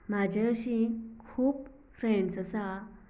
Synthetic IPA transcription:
mad͡ʑʱəɕĩkʰuːp | fɾẽɳɖsəsa

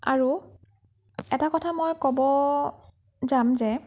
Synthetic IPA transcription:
aɹu | ɛtakɔtʰamɔjkɔbɔ | zamzɛ

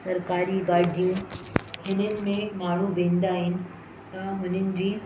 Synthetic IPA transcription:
sɐɾkaːɾiɡaːɽijũɦɪnənɪ̆mẽmaːɳ̤uʋẽːnd̪aːɦɪnɪ̆ | t̪ɐɦʊn̤ənɪ̆d͡ʑiː

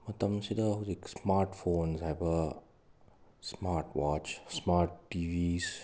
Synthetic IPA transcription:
mɐt̪ɐmsid̪əziksmaːɾʈfoːnsɦɛʋə | smaːɾʈʋaːt͡ʃsmaːɾʈːiːʋiːz

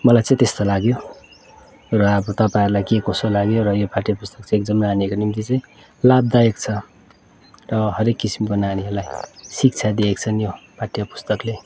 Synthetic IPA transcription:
mʌlajt͡sʌ̃ĩt̪est̪olaɡjo | rʌʌbʌt̪ʌpaĩɾulajkekosolaɡjoɾʌjopʰaʈjapust̪ʌ̥kt͡sʰʌ̃ek̚d͡zʌmnaːniekonimt̪it͡sʌĩ | lab̚d̪ajʌk̚t͡sʰʌ | rʌɦʌɾekːisimkonaːniʌlajsik̚t͡sʰad̪iekt͡sʰʌnjopʰaʈjapu̥st̪ʌkle

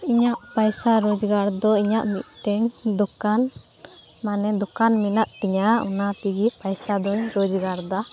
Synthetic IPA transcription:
iɲaʔpajsaɾɔd͡ʒɡaɾd̪ɔiɲaʔmit̪̚ˀʈɛɲd̪ɔkan | manɛd̪ɔkanminaʔt̪iɲaɔ̰nat̪iɡipajsad̪ɔɲɾɔd͡ʒɡaɾd̪a

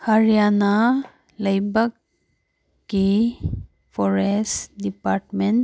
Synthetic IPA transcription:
həɾjana | ləjbəkː | i | fʰɔɾesʈdipaɾʈmeɳ

